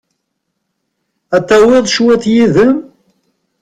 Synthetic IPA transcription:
æt̪ːæwæðʃwæθjiðəm

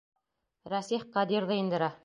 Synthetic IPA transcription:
ɾæsiχqɑd̪iɾðɤind̪ɤ̆ɾɑ

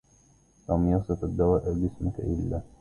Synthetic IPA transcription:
lamjɑsˤɨfad̪ːawaːʔɪɾbɪsmɪka̰ʔɪlːaː

